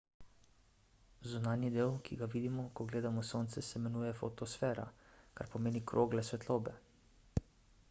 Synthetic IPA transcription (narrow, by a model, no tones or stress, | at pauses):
zunaːnjid̪eːwkʰiɡaʋiːd̪imɔkɔɡleːd̪amɔsoːnt̪sɛsɛmɛnuːjɛfot̪ɔsfɛːɾa̰ka̰ɾpɔmeːnikɾʔoːɡlasʋɛt̪loːbɛ